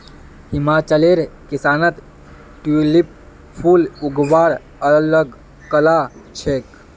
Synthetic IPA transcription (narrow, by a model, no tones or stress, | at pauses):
himaːt͡ʃəleɾkisaːnət̪ | ʈulip̚ | pʰuːluɡʋaːɽ | ələɡ | kəlat͡ʃʰek